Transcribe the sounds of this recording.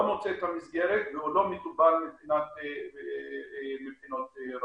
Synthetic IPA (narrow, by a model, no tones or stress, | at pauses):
mot͡set̪amisɡeɾet̪veulomet̪ubalmepinat̪ | mepinot̪ɾ